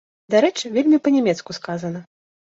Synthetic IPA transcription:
d̪aɾɛt͡ʂɨvʲelʲmʲipɐnʲɛmʲɛt̪skuskazɐnɐ

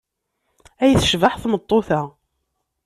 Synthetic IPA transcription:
æjθʃvaħθmət̪ˤːoθæ

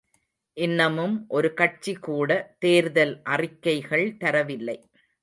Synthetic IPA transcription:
ʔɪnːɐmɯmʔɔɾɯkɐʈ̚t͡ʃːikːuːɽɐt̪eːɾðɐlʔɐrɪkːɐɪɣɐɭt̪ɐɾɐʋɪlːɐɪ

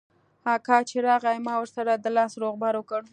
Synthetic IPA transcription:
hɑkɑt͡ʃeɾɑɣajmɑwəɾsaɾad̪əlɑsɾoɣbaɾwəkəɽ

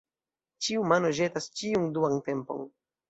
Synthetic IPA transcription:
t͡ʃiumano̞ʒe̞tast͡ʃiunduante̞mpo̞̰n

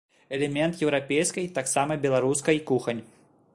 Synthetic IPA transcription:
ɛlʲɛmʲɛnt̪jɛwɾapʲejskɐjt̪aksamɐbʲɛlˠaɾuskɐjikuxɐnʲ

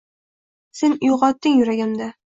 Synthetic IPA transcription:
senjoqɒt̪ːɪŋjʊɾaɡʲamd̪a

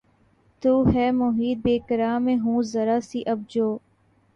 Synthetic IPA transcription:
t̪uːɦɛːmʊɦiːd̪̚beːkəɾaːmẽːɦũːzɐɾaːsiːʔɐb̚d͡ʒoː

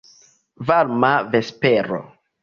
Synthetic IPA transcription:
vaɾmavespeɾo̰

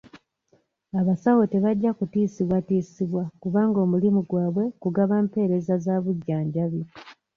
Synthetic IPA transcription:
aβasawote̞βaɟːakutiːsiβwatiːsiβwakuβaːŋɡo̞ːmulimuɡwaːβwe̞kuɡaβaːmpe̞ːɾe̞zazaβuɟːaːɲɟaβi

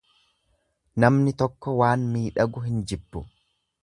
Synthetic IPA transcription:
nɐmnɪt̪ɔkːɔwaːnmiːᶑɐɡʊɦɪnd͡ʒɪbːʊ

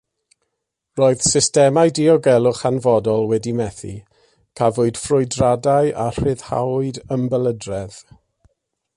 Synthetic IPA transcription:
roːɨð̥sɪstɛmajdiɔɡɛlˠʊχanvɔdɔlˠwɛdimɛθḭ | kʰavʊɨd̥frʊjdradajʔar̥ɪð̥ha̰wʊɨdəmbəlˠədrɛð

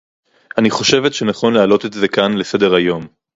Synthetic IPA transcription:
aniχo̞ʃe̞vetʃe̞naχo̞nlealo̞t̪etze̞kanle̞se̞de̞ʁajo̞m

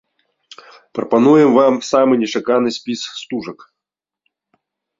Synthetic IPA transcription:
pɾɐpɐnujɪmvamsamɨnʲɪʂakanɨsʲpʲisːt̪uʐɐk

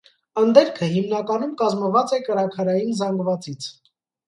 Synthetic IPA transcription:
ənd̪ɛɾkʰəɦimnɑkɑnumkɑzməvɑt͡sɛkəɾɑkʰɑɾɑjinzɑŋɡvɑt͡sit͡sʰ

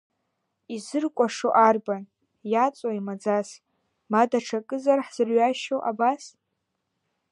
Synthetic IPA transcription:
izɨrkʷʼaʂoʔarban | jat͡sʼoimad͡zas | madaʈ͡ʂʰakʼɨzarħz̥ɨrɥaʃowʔabas

